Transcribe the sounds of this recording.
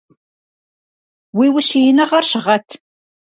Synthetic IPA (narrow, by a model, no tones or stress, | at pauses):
wiːwʊɕijɪnɐʁɐrɕɪʁɐtʰ